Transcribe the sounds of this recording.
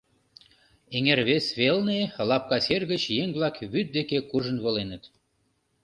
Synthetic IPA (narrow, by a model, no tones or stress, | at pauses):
eŋerβesβelnelɑp̚kɑserɣə̆t͡ɕjeŋβlˠɑkβyt̪̚d̪ekekuʒə̆nβɤ̆lenə̆t̪